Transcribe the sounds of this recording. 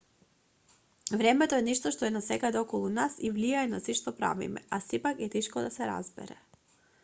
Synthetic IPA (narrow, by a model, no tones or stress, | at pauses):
vɾɛmɛt̪oɛnɛʃt̪ɔʃt̪ɔɛnasɛkad̪ɛɔkɔlˠunasivlijaɛnasiʃt̪ɔpɾa̰vḭmɛ̰ʔasipakɛt̪ɛʃkɔd̪asɛɾa̰zbɛ̰ɾɛ̰